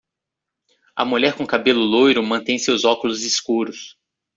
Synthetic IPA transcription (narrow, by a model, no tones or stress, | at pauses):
ɐ̰muʎɛɾkõkabelʊlojɾʊmɐ̃nt̪ẽj̃sewzɔkʊlʊziskuɾʊs